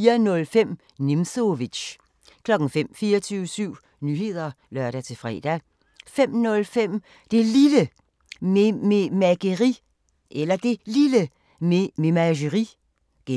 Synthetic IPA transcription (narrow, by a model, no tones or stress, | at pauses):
iːɐnɔ̽lfem̰ | nimsoʋi̥ɕ | kʰlɒ̽ɡ̥ŋ̩fem̰fiːɐt͡sʰyːʊəsyʊ̰ | nyːɦe̝ð̞̰ˠɐ | lɶɐ̰ɾ̥æt͡sʰe̝fʁɛ̰ːd̥æ | fem̰nɔ̽lfem̰ | d̥e̝lilə | mememæɡ̥əʁi | ʔelɐd̥e̝lilə | mememæɕ̬əʁi | ɡ̥e